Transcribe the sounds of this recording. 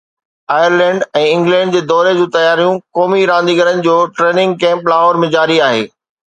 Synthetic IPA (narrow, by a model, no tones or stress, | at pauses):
aːjəɾlɛ̃ːɳɖɛ̃ːɪ̃ŋɡlɛ̃ːɳɖ̚d͡ʑeːd̪ɔːɾed͡ʑũːt̪ɐjaːɾijũkɔːmiɾãːn̆d̪iɡəɾənɪ̆d͡ʑoːʈɾeːnɪ̃ŋɡ̚kɛ̃ːmplaːɦoːɾmẽd͡ʑaːɾiaːɦḛː